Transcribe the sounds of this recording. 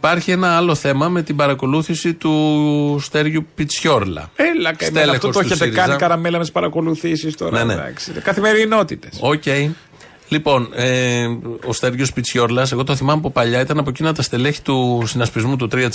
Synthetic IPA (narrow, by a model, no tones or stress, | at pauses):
ipɐɾçie̞nɐɐlo̞θe̞mɐme̞t̪ibɐɾɐko̞luθisit̪ust̪e̞ɾʝupit͡sço̞ɾlɐ̰elɐkɐelɐefoostoeetseiɾikɐɐnzikɐɾɐmelɐmet̪ispɐɾɐko̞luθisist̪o̰ɾneneɐ̰ksikɐθime̞ɾino̞t̪it̪eso̞ce̞i | lipo̞ne | o̞st̪e̞ɾʝospit͡sço̞ɾlɐs̬e̞ɣo̞t̪oθimɐmop̬opɐʎɐit̪ɐnɐpo̞cinɐt̪ɐst̪e̞leçi̥t̪usinɐspizmut̪ut̪ɾiɐ